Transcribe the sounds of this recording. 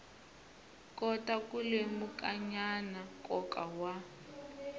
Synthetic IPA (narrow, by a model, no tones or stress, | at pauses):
kʼɔtʼakʼulemukʼaɲanakʼɔkʼawa